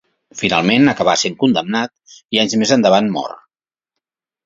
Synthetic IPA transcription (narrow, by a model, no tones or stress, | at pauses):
finalˠmenəkəβaseŋkund̪əmnat̪̚iaɲzmezənd̪əβ̞anmɔ̰r